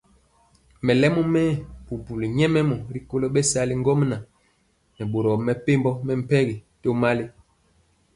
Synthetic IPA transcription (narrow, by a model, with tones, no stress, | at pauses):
mɛ˨lɛ˦mɔ˦mɛː˦bu˨bu˨li˨ɲɛ˦mɛ˦mɔ˨ɾi˦ko˦lo˦ɓɛ˦sa˦li˦ŋ˦ɡɔ˦mna˨ | nɛ˨ɓo˨ɾɔ˨mɛ˨pe˦mbɔ˦mɛ˦m̩˨pɛ˦ɡi˨to˦ma˦li˦